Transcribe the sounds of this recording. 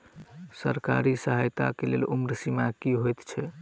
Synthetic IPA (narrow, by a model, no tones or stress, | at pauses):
səɾka̰ɾisəɦajt̪a̰kelḛlumɾsimakiɦojt̪t͡ʃʰɛ